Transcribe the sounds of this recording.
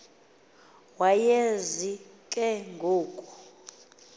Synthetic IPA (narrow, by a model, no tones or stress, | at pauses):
wajezikʼɛŋɡʱoːkʼu̥